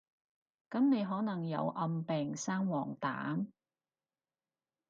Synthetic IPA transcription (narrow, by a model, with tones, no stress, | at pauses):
kɐ˨˥mne˨˧jɦɔː˨˥nɐ˨˩ŋjɐ̰˨˧wʔɐ˧mpɛː˨˩ŋsaː˥ŋwɔː˨˩ŋt̪a̰ː˨˥m